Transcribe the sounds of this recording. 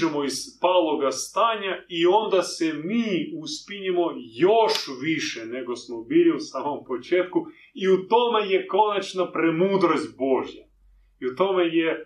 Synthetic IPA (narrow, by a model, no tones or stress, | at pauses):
ɛmɔispalˠoɡast̪aɲaiond̪asɛmiuspinimojoʃʋiʃɛnɛɡosmɔbiɾiusamompot͡ʃet̪ku | iut̪omɛjɛkonat͡ʃnapɾɛmuːd̪ɾosʲt̪̚ʲboʒja | iut̪omɛjɛ